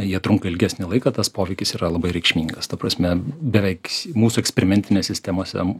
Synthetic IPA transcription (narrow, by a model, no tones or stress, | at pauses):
jiɛt̪ɾʊŋkɐɪlʲɡʲæsʲnʲɪlˠɐɪkɐt̪ɐspoːʋʲɛɪkʲɪsiːɾɐlˠɐbɐɪɾʲɛɪkʃʲmʲiːŋɡɐst̪ɐpɾɐsʲmʲɛbʲɛʋʲɛɪkmuːsuɛksʲpʲɛɾʲɪmʲɛnʲt̪ʲɪnʲeːsʲɪsʲt̪ʲɛmoːsʲɛ̰